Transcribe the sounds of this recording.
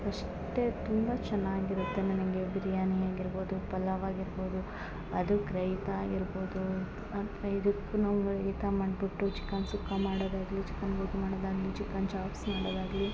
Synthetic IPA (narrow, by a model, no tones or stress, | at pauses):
ɐʂ | ʈet̪umbɐt͡ʃɐnːaːɡiɾut̪ːenɐnɐŋɡebɾijaːnɐjaːɡiɾboːd̪upɐlːɐʋaːɡiɾbo̞ːd̪u | ɐd̪ukɾɐjt̪aːɡiɾboːd̪u | ɐtɐid̪ukːunɐɡɾɐit̪amɐɖbiʈːut͡ʃi̥kːaːnsukːɐmaːɽoːd̪aːɡlit͡ʃi̥kːɐnɡoːkmaːɽoːd̪aːɡlit͡ʃikːant͡ʃaːpsmaːɽoːd̪aːɡli